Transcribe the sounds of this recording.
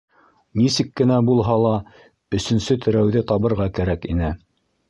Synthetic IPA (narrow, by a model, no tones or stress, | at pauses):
nisɘkːɘ̆næbulˠɦɑlˠɑ | ɵ̆sɵ̆nsɵt̪ʰɘ̆ɾæwðɘt̪ɑβɤ̆ɾʁɑkæɾækinɘ